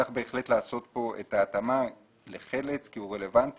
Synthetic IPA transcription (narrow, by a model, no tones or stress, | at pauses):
aχbe̞ːχle̞tlaːso̞t̪po̞ʔḛtaːt̪ama | leχe̞let͡skiuʁe̞le̞vant̪